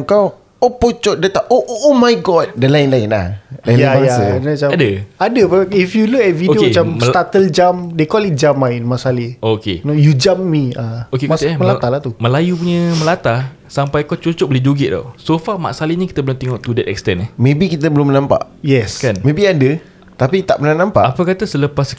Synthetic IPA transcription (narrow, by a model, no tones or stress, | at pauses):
kaw | opot͡ʃɔʔdat̪aoʔʔomajɡɔt̪̚dalaɪnlaɪnla̰hajabajaəkənat͡ʃaadəadəbaifjulukɛt̪̚vidiomat͡ʃamst̪at̪əld͡ʒamdekɔlit̪̚d͡ʒamajnmaʔsaliokḛnojud͡ʒamːiaokekmat̪iʔaməlat̪alat̪umə̃lajupuɲəməlat̪a | sampajkɔt͡ʃot͡ʃɔʔ̚bolid͡ʒoɡɪʔd̪a̰wsofama̰ʔsalinĩki̥t̪əbəlʊmt̪ɛŋɔʔt̪udɛt̪̚ɛ̰k̚st̪ɛnɛhmẽbikit̪əbəlʊmnãmpa̰ʔjɛskanmẽbiadə | t̪apit̪a̰ʔpənanãmpa̰ʔapəkat̪asələpas